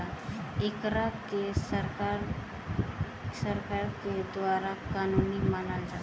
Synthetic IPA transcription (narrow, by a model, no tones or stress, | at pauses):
aekɾakesəɾkaɾ | səɾkaɾked̪ʋaɾakanunimanald͡ʒa